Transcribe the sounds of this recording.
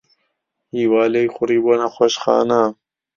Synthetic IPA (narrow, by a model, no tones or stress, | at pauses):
hiːwaːlejxʊɾiːbonɐxʷɐʃxɑ̰ːna